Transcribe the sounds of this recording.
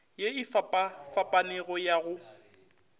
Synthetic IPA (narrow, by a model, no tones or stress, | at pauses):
jeifapʼafapʼanɛɣɔjaɣʊ